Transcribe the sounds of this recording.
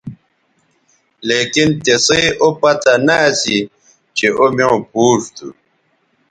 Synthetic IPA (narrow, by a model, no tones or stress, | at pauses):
leːkint̪esejʔopɐt̪anaːsi | t͡ɕeʔomeõpuːʂt̪ṵ